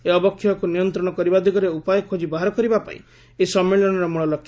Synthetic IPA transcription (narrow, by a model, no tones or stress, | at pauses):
eɔbɔkʰːjɔkunijɔnt̪ɾɔɽ̃ɔkɔɾibad̪ʱiɡɔɾeupajɔkʰod͡ʒibaɦaɾɔkɔɾibapa̰ḭ | esɔmːilɔnɔɾɔmuɭɔlɔkʰː